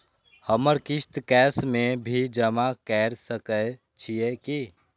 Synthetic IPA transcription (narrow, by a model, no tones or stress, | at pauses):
həməɾkɪʃt̪kɛːsmẽbʱid͡ʒəmakɛːɾsəkə | t͡ʃʰijeki